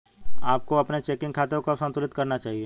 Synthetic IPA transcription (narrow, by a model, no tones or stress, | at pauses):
aːp̚koɐpnet͡ʃeːkɪ̃ŋɡkʰaːt̪ekosə̃nt̪ʊlɪt̪kɐɾnat͡ʃaːɦieː